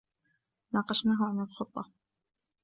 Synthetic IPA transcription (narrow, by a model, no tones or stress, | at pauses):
nɑːqɑʃnaːɦaʕanalxʊt̪ˤːɑ